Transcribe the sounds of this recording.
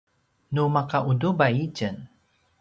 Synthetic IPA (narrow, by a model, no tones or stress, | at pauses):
numakaʔudubajicən